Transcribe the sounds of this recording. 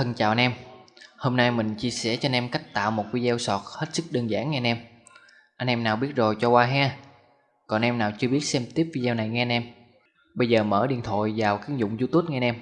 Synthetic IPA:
ə˧˩nt͡ɕa̰ː˨wʔnʔɛ˧mho˧mna˧jmï˨˩ŋ̟t͡ɕi˧əsɛ˧˩t͡ɕɔ˧nʔɛ˧mka˦˥jk̟̚t̪a̰ː˧˨wmo˨˩t̚ki˧zɛ˧wsɔ˨˩t̚he˦˥t̚sɨ˦˥k̚ɗəː˧nza̰ː˧˥˦ŋːɛ˧nʔɛ˧m | ʔa˧jŋ̟ʔɛ˧mnaː˨˩wɓi˦˥ət̚zo˨˩jt͡ɕɔ˧kwaː˧ɦaː˧ | kɔ˨˩nʔɛ˧mnaː˨˩wt͡ɕɨ˧əɓi˦˥ət̚sɛ˧mt̪i˦˥əp̚vi˧zaː˧wna˨˩jŋɛ˧nʔɛ˧m | ɓə˧jzəː˨˩mə̰ː˧˩ɗḭ˨˩ənt̪ʰo̰˧˨jvaː˨˩wkaː˨˦˥k̚zʊ̰˧˨ŋ͡mzu˧t̪u˦˥t̚ŋɛ˧nʔɛ˧m

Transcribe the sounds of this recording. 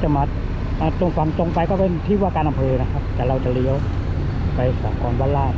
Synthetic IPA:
t͡ɕa˧ma˦˥t̪̚ | ʔaː˧˩lo˧ŋfa˧˦ŋt͡ɕo˧ŋpa˧jkɔː˥˩pe˧nt̪ʰiː˥˩waː˥˩kaː˧nʔa˧mpʰɤː˧na˦˥kʰa˦˥p̚t̪ɛː˨˩ɾa˧wt͡ɕa˨˩li˧˥əw | pa˧jsaː˨˩˦mkɔː˧nwaː˧˥˩laː˥˩

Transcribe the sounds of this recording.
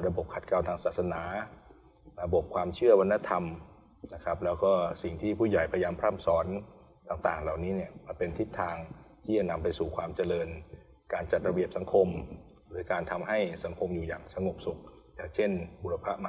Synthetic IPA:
ɾa˧bo˨˩p̚kʰa˨˩t̪̚ka˧wt̪ʰaː˧ŋsaː˨˩t̪̚sa˧naː˩˦ | ɾa˧bo˨˩p̚kʰwaː˧mt͡ɕʰɯ˥˩ɐwa˧nːa˦˥t̪ʰa˧m | na˦˥kʰa˦˥p̚lɛː˦˥wkɔː˥˩si˨˩ŋt̪ʰiː˥˩pʰuː˥˩ja˨˩jpʰa˧jaː˧mpʰɾaː˥˩msɔː˦˥n | t̪aː˨˩ŋt̪aː˨˩ŋla˨˩wniː˦˥ni˥˩ɐma˧npe˧nt̪ʰi˦˥t̪ʰːaː˧ŋt̪ʰiː˥˩t͡ɕa˨˩na˧mpa˧jsuː˨˩kʰwaː˧mt͡ɕa˧lɤː˧n | kaː˧nt͡ɕa˨˩ɾa˧bi˨˩əp̚sa˩˦ŋkʰo˧m | ɾɯː˩˦kaː˧nt̪ʰa˧mɦa˥˩jsa˩˦ŋkʰo˧mjuː˨˩jaː˨˩ŋsa˧ŋo˨˩p̚su˨˩k̚ | jaː˨˩ŋt͡ɕʰe˥˩nu˨˧˩a˧pʰa˦˥ʔma˧

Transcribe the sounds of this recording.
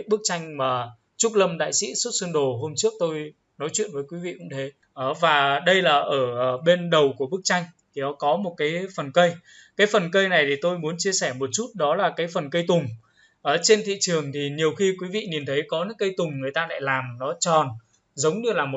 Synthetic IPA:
ɓɨ˦˥k̚t͡ɕa˧jŋ̟maː˨˩ | t͡ɕʊ˦˥k̚lə˧mɗa̰ː˧˨jsḭ˧˥su˦˥t̚sɨ˧ənɗo˨˩ɦo˧mt͡ɕɨ˦˥ək̚t̪o˧j | nɔ˨˦jt͡ɕwḭ˧˨ənvəː˨˦jkwi˨˦vḭ˧˨kʊ̰˧˥ŋ͡mt̪ʰe˨˦ | ʔəː˧˩vaː˨˩ɗə˧jlaː˨˩ʔəː˧˩ɓe˧nɗə˨˩wku˧˩əɓək̚t͡ɕa˧jŋ̟t̪ʰi˨˩ɗɔ˨˦kɔ˨˦mo˨˩t̚kaː˨˦jfə˨˩nkə˧j | kaː˨˦jfə˨˩nkə˧jna˨˩jt̪ʰi˨˩t̪o˧jmu˨˦ənt͡ɕi˧əsɛː˧˩mo˨˩t̚t͡ɕu˦˥t̚ɗɔ˨˦laː˨˩kaː˨˦jfə˨˩nkə˧jt̪ʊ˨˩ŋ͡m | ʔəː˧˨˩t͡ɕe˧nt̪ʰḭ˧˨t͡ɕɨ˨˩əŋt̪ʰi˨˩ɲi˨˩əwxi˧kwi˨˦vḭ˧˨ni˨˩nt̪ʰə˨˦jkɔ˨˦nɨ̰˧˥ŋkə˧jt̪ʊ˨˩ŋ͡mŋɨ˨˩əjt̪aː˧la̰ː˧˨jlaː˨˩mnɔ˨˦t͡ɕɔ˨˩n | zə˨˦wŋ͡mnɨ˧laː˨˩mo˨˩

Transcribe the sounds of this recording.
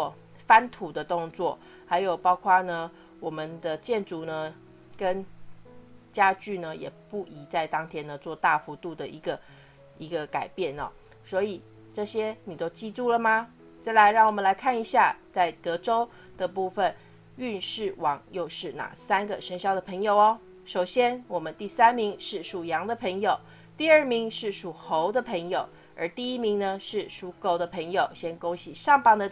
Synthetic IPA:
ɔ˥˩ | fa˦˥nt̪ʰu˨˩d̪ə˧˦t̪ʊ˥˧ŋt͡swɔ˥˩ | ha˧˥ɪjo˨˩ʊpɑ˥ʊkʰwa˥˧nə˨ | wɔ˨˩mə˦nd̪ə˨t͡ɕjɛ˥˩nʈ͡ʂu˨˩nə˨ | kə˦n | t͡ɕja˥t͡ɕy˥˩nə˨jɛ̰˨˩pu˥˩i˧˨˦t͡sa˥˩ɪt̪ɑ˥ŋt̪ʰjɛ˥nd̪ə˨t͡swɔ˥˧t̪a˥˩fu˧˥t̪u˥˩d̪ə˨ʔi˧˥ɡə˧ | i˧˥ɡə˧ka˨˩ɪpjɛ˥˩nə̰˨˩ | swɔ˧˥i˨˩ | ʈ͡ʂɤ˥˩ɕjɛ˥ni˨˩t̪o˥ʊt͡ɕi˥˧t̪u˥˩lə˨ma˨ | t͡sa˥˩ɪla˧˥ɪɻɑ˥˩ŋwɔ˨˩mə˨˦la˧˦ɪkʰa˥˩ni˧ɕja˥˧t͡sa˥˩ɪt̪ɤ˧˥ʈ͡ʂo˥ʊ | d̪̥ə˨˩pu˥˩fə˨n | y˥˧nʂɻ̩˥˩wɑ˧˥ŋjo˥˧ʊʂɻ̩˥˩na̰˨˩sa˥nɡə˨ʂə˥ŋɕjɑ˥˩ʊd̪ə˨pʰɤ˧˥ŋjo˨˩ʊɔ˦ | ʂo˨˩ʊɕjɛ˥nwɔ˨˩mə˦nt̪i˥˩sa˥nmi˧˥ŋʂɻ̩˥˩ʂu˨˩jɑ˧˥ŋd̪ə˨pʰə˧˥ŋjo˨˩ʊ | t̪i˥˧ə˥˩mi˧˥ŋʂɻ̩˥˩ʂu˨˩xo˧˦˥ʊd̪ə˨pʰə˧˥ŋjo˨˩ʊ | ə̰˧˥t̪i˥˩i˥mi˧˥ŋnə˧ʂɻ̩˥˩ʂu˧˥ko˥˩ʊd̪ə˨pʰə˧˥ŋjo˨˩ʊɕjɛ˥nko˥ʊɕi˨˩ʂɑ˥˩ŋpɑ˥˩ŋd̪ə˨

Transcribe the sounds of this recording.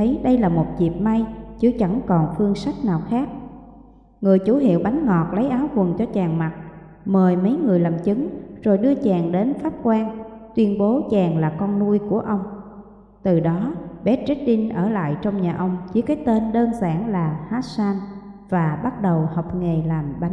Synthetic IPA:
jɗə˧jlaː˨˩mo˨˩t̚zi˨˩p̚ma˧jt͡ɕɨ˧˦t͡ɕa˧˩ŋkɔ˨˩nfɨ˧əŋsa˦˥jk̚naː˨˩wxaː˦˥k̚ | ŋɨ˨˩əjt͡ɕu˧˩ɦḭ˧˨əwɓa˨˦jŋ̟ŋɔ˨˩t̚lə˨˦jʔaː˨˦wkwə˨˩nt͡ɕɔ˧t͡ɕaː˨˩ŋma˨˩t̚ | məː˨˩jmə˨˦jŋɨ˨˩əjla˨˩mt͡ɕɨ˨˦ŋz̥o˨˩jɗɨ˧ət͡ɕaː˨˩ŋɗe˨˦nfaː˦˥p̚kwaː˧ŋt̪wi˧ənɓo˨˦t͡ɕaː˨˩ŋlaː˨˩kɔ˧nːu˧əjku˧˩əʔə˧wŋ͡m | t̪ɨ˨˩ɗɔ˨˦ɓɛ˨˦˥t̚t͡ɕe˦˥t̚ɗi˧nʔəː˧˩la̰ː˧˨jt͡ɕɔ˧wŋ͡mɲaː˨˩ʔə˧wŋ͡mt͡ɕi˨˦kaː˨˦jt̪e˧nɗəː˧nzaː˧˩ŋlaː˨˩haː˦˥t̚saː˧nvaː˨˩ɓa˦˥t̚ɗə˨˩wha˨˩wk͡p̚ŋe˨˩laː˨˩mɓa˨˦ŋ

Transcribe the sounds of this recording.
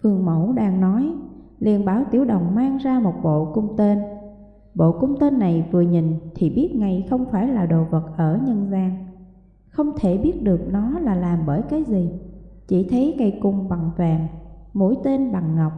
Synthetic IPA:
fɨ˨˩əŋmo̰˧˩wɗaː˧ŋnɔ˨˦jlḭ˨˩ənɓaː˧˩wt̪i˧˩əwɗə̰˨˩wŋ͡mmaː˧ŋzaː˧mo˨˩t̚ɓo̰˧˨kʊ˧wŋ͡mt̪e˧n | ɓo̰˧˨kʊ˧wŋ͡mt̪e˧nːa˨˩jvɨ˨˩əɲi˨˩ŋ̟t̪ʰi˨˩ɓi˦˥ət̚ŋa˧˩jxə˧wŋ͡mfaː˧˩jlaː˨˩ɗo̰˨˩və˨˩t̚ʔəː˧˩ɲə˧nzaː˧ŋ | xə˧wŋ͡mt̪ʰe˧˩ɓi˦˥ət̚ɗɨ˨˩ək̚nɔ˨˦laː˨˩laː˨˩mɓəː˧˩jkaː˨˦jzi˨˩t͡ɕi˧˩t̪ʰə˨˦jŋa˧˩jkʊ˨˩ŋ͡mɓa˨˩ŋvaː˨˩ŋmo̰˧˥jt̪e˧nɓa˨˩ŋːa˨˩wk͡p̚

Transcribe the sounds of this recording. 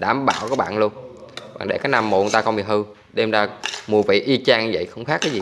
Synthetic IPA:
ɗaː˨˩mɓa̰ː˧˨wkɔː˨˦ɓa̰ː˧˨nlu˧ən | ɓa̰ː˧˨˩ŋɗḛ˧˩kaː˨˦jna˧˩mːo̰˨˧˨t̪aː˧xə˧wŋ͡mɓi˨˩ɦɨ˧ | ɗɛ˧mzaː˧mu˨˩əvḭ˧˨ʔi˧t͡ɕaː˧ŋ˧və̰˧˨jxə˧wŋ͡mxaː˦˥kːaː˨˦jzi˨˩

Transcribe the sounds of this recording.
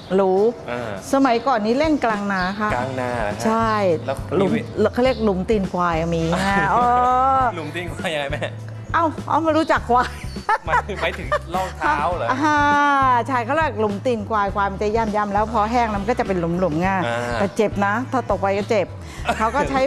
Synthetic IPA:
ɾuː˦˥˧sa˧ma˨˦jkɔː˨˩nːiː˦˥le˥˩ŋklaː˧ŋnaː˨˥kʰa˦˥a˧ŋna˨˦t͡ɕʰa˥˩jlu˩˦mkʰa˥˩li˥˩ək̚lu˩˦mt̪iː˧nkwaː˧ja˧˩miː˧ŋa˧˩ʔəː˧lu˨˦mt̪i˧nkwaː˧ja˧ŋa˧jma˦˥˧ | ʔa˧˩wʔa̰˧˩wma˧˥nɾuː˦˥t͡ɕa˨˩kʰːwaː˧j | ma˨˦jt̪ʰɯ˨˩˦ŋlɔː˥˩k̚tʰa˧˥˦wa˧aː˧t͡ɕʰa˥˩jkʰa˥wli˥˩k̚lu˩˦mt̪iː˧˩nkwaː˧jkwaː˧ma˧nt͡ɕa˧˥˩jaː˧˥˩mjaː˧˥˩mlɛː˦˥wpʰɔ˦˥ɦɛː˥˩ŋna˦˥ma˨kɔː˥˩t͡ɕa˨˩pe˧nlu˩˦mlu˨˩˦mŋaː˧˩nt̪ɛː˧˩t͡ɕe˨˩p̚na˦˥t̪ʰɔː˧˩t̪o˨˩k̚pa˧jkɔː˥˩t͡ɕe˨˩p̚ | kʰa˦˥wkɔː˥˩t͡ɕʰa˦˥j

